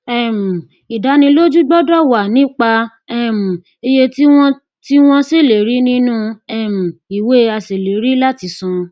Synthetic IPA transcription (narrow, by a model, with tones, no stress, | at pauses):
ɛ˦˨m̩˨ | i˨da˨˦nĩ˧lo˦d͡ʒu˦ɡ͡bɔ˦dɔ˦wa˨nĩ˦k͡pa˧ | ɛ˦˨m̩˨ | e˧je˧ti˦w̃ɔ̃˦ | ti˦w̃ɔ̃˦se˦˨le˨ɾi˨˦nĩ˦nũ˦ɛ˦˨m̩˨i˨we˦a˧se˨le˨ɾi˦la˦ti˧sũ˧